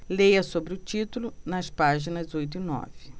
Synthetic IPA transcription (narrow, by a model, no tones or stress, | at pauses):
lejɐsobɾɪʊt͡ʃit̪ulʊnɐspaʒinɐzzojt̪̬ʊinɔ̰vɪ